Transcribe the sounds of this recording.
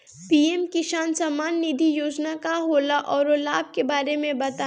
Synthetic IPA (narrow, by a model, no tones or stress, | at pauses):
piːɛmkiʃaːnsɐmaːnːid̪ʱijoːd͡ʒnakaɦoːlaʔɔːɾolaːb̚kebaːɾemẽbɐt̪a